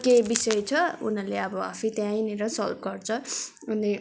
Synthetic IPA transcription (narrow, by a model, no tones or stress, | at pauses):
kebisʌjt͡sʰʌṵnʌleʌbʌa̰fʰit̪jãjneɾʌsʌ̰lp̚ɡʌrt͡sʰʌ | une